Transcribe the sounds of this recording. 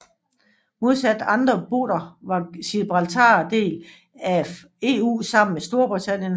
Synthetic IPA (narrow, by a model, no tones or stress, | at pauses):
mo̝ð̞ˠsæd̥ɑ̈nd̥ʁɐb̥o̝̰ːɾ̥ɐʋɑ̈sib̥ʁɑlt͡sʰɑ̰̈ːd̥e̝̰ːl | æ | e̝ːṵːsɑ̈m̰n̩mesd̥o̝ɐb̥ʁit͡sʰæn̰jən